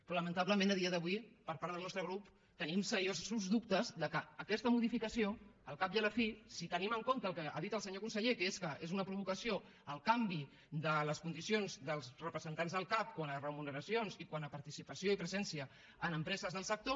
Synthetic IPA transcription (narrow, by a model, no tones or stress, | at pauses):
pɾɔləmənt̪aβləmẽnəð̞iəðəβwipəɾpaɾðəlˠnɔst̪ɾəɣɾup | t̪ənimsəɾiozsuzðupt̪əzðəkəːkɛst̪əmuðifikəsioəlˠkap̚jaləfisit̪əniməŋkont̪əːlˠkəa̰ðit̪əlˠsəɲokunsəʎekeskəʔezunəpɾuβ̞ukəsio | əlˠkambi | d̪ələskund̪isionzðəlˠzrəpɾəzənt̪anzðəlˠkap̚kwanərəmunəɾəsjonzikwanəpəɾt̪isipəsioipɾəzɛnsiəː | nəmpɾɛzəzðəlˠsək̚t̪o